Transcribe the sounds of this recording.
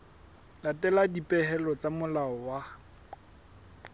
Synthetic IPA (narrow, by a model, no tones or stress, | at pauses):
latʼɛladipʼɛɦɛlɔt͡samʊlaɔwa